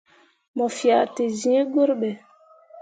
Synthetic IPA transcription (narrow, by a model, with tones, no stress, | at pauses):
mɔ˨fja˨te˨zĩ˨˦ɛ˦ɡo˦ɾɓɛ˨